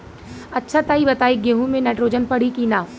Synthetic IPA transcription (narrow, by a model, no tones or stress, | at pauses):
ɐtːʃʰat̪aːibɐt̪aːiɡeːɦũmẽnɛːʈɾoːd͡ʒənpɐɽ̤ikinaː